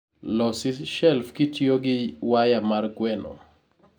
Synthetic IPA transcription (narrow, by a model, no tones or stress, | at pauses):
lɔsɪʃɛlfkɪtjoɡɪwajamarkwɛnɔ̰